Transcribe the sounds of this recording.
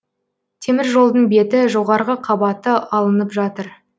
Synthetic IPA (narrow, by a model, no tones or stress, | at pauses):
t̪ʰe̞mɪɾʒo̞lˠd̪əɴbe̞t̪ɪʒo̞ʁɑɾʁəqʰɑbɑt̪əɑlˠənəpʒɑt̪əɾ